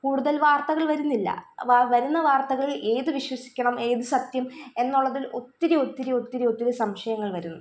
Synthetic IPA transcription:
kuːɽuðɐlʋaːrt̪ɐɣɐɭʋɐɾunːilːɐ̰ʋaʋɐɾunːɐʋaːrt̪ɐɣɐɭe̞ːðɨʋiɕwɐsi̥kʲːɐɳɐme̞ːðɨsɐt̪jɐme̞nːuɭːɐðilo̞t̪ːiɾio̞t̪ːiɾio̞t̪ːiɾio̞t̪ːiɾusɐmʂɐjɐŋːɐɭʋɐɾunːu

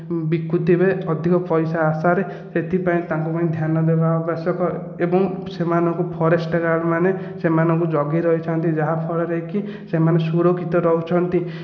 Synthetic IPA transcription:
bikːut̪ibeɔd̪ʱikɔpɔjsaːsaɾe | set̪ʰipaĩt̪aŋkupaĩd̪ʱjanɔd̪ebaɔbasjɔkɔ | ebɔŋsemanɔŋkupʰɔɾesʈɔɡaɭmane | semanɔŋkud͡ʒɔɡiɾɔɦit͡ʃʰɔnt̪id͡ʒaɦapʰɔɭɔɾɔɦiki | semanesuɾokʰit̪ɔɾɔɦut͡ʃʰɔnt̪i

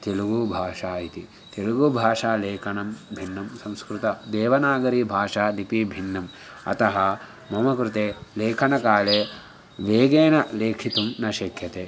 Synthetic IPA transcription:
t̪eluɡubʱaːʂaːit̪i | t̪eluɡubʱaːʂaːleːkʰɐɳɐmbʱinːɐmsɐ̃mskɾut̪ɐd̪eːʋɐnaːɡɐɾiːbʱaːʂaːd̪ipibʱinːɐm | ɐ̰t̪ɐɦɐ | mɐmɐkɾut̪eːleːkʰɐɳɐkaːleː | ʋeːɡeːnɐleːkʰit̪umnɐʃekʰjɐt̪eː

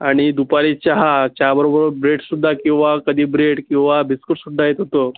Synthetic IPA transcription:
aɽ̃id̪upaɾit͡ɕaɦat͡ɕabəɾobəɾbɾeʈsud̪ʱːakĩw̃ʋakəd̪ʱiːbɾeʈkĩw̃ʋabiskuʈsud̪ʱːajet̪ɦot̪o

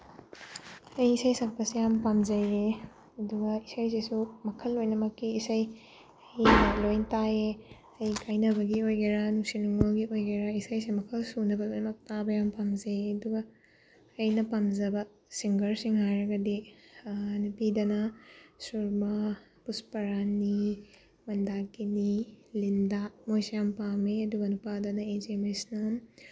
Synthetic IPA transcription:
ɐjisɐjsɐk̚pɐsejampamzɐjɡe | ɐduɡɐisɐjsesumɐkʰɐlːojnɐmɐkːiːsɐj | ɐjɐlojntae | ɐjkʰajnɐβɐɡiojɡeɾanuksinuŋolɡiʔojɡeɾaisɐjsemɐkʰɐlsunɐbɐlojnɐmɐk̚tabɐjampamzɐjɐduɡɐː | jnɐpamzɐbɐ | siŋɡɐɾsiŋhajɾɐɡɐdi | nupidɐnɐsuɾmɐ | puspɐɾani | mɐndakinilindamojsɐjampameɐduɡɐnupadɐnɐed͡ʒemesnɐ

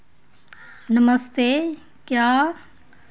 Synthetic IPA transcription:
nəməst̪e | kjaː

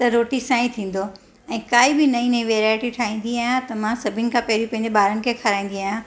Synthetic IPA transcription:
t̪ɐɾoːʈisãːĩt̪ʰĩːn̆d̪o | ɛ̃ːkaːibɪnɐĩnɐĩʋeːɾaːɪʈiʈʰaːɦĩːn̆d̪iaːɦjãt̪ɐmãsɐbʱɪnɪ̆kʰãpɐɦɪɾiũpɐ̃ɦɪ̃ɲd͡ʑeɓaːɾənɪ̆kʰexʰɐɾaːĩːn̆d̪iaːɦjã

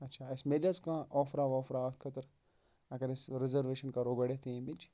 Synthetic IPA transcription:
ɐtːʃʰaɪsmelɐskãʔɔːfɾaːʋɔːfɾat̪ʰkʰɐt̪əɾ | ɐɡɐɾɪsɾɪzəɾʋeːʃənkaɾoːɡɐɽet̪ʰeẽmid͡ʒ

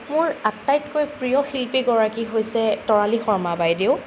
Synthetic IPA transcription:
mʊɹatːajtkojpɹijɔxilpiɡɔɹakiɦojsɛtɔɹalixɔɹmabajdeʊ

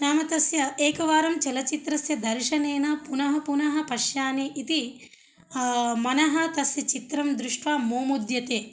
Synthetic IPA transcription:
naːmɐt̪ɐsjɐeːkɐʋaːɾɐmt͡ʃɐlɐt͡ʃit̪ɾɐsjɐd̪ɐɾʃɐneːnɐpunɐɦɐpunɐɦɐ̆pɐʃjaːniʔit̪i | mɐnɐɦɐt̪ɐsjɐt͡ʃit̪ɾɐmd̪ɾuʂʈʋaːmoːmud̪jɐt̪eː

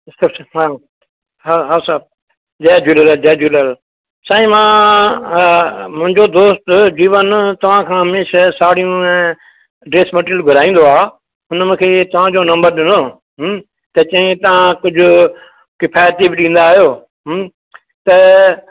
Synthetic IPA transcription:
sɐsɦa | ɦaɦaːsab̚ | d͡ʒɛːd͡ʑuːlələd͡ʒɛːd͡ʑuːləl | saːĩmãː | mʊ̃ɦɪ̃ɲd͡ʑod̪oːst̪d͡ʑiːʋənt̪ɐʋ̤ãkʰãːɦɐmeːʃasaːɽ̤ijũ | ɖɾeːsmɐʈɪlɡʱɐɾaːĩːn̆d̪oaː | ɦʊnmʊ̃ːkʰeːt̪ɐʋ̤ãd͡ʑonɐ̃mbəɾɗɪnoː | ɦ | t̪ɐt͡ɕɐ̃ĩt̪ɐʋãkʊd͡ʑʱʊ | kɪpʰaːjət̪ibɪɗĩːn̆d̪aːɦijoː | ɦ | t̪ɐ

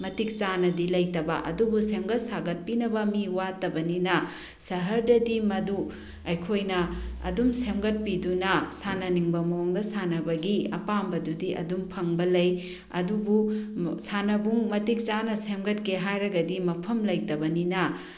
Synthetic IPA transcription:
mɐtik̚t͡ʃanɐdilɐjtɐbɐʔɐ̰dubusemɡɐt̚saɡɐt̚pinɐbɐmiwatɐbɐninɐ | sɐɦɐɾdɐdimɐdu | ɐjkʰojnɐɐ̰dumsemɡɐt̚pidunɐsanɐniŋbɐmooŋdɐsanɐbɐɡiɐ̰pambɐdudiʔɐ̰dumpʰɐŋbɐlɐj | ɐ̰dubusanɐbuŋmɐtik̚t͡ʃanɐsemɡɐtkeɦajɾɐɡɐdimɐpʰɐmlɐjtɐbɐninɐ

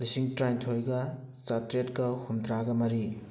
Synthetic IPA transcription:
lisiŋtɾajntʰojɡɐ | t͡ʃatɾetkɐhumdɾaɡɐmɐɾi

